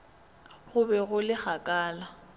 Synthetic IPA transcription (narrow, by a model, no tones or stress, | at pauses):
ɣʊbɛɣʊlɪk͡xakʼaːla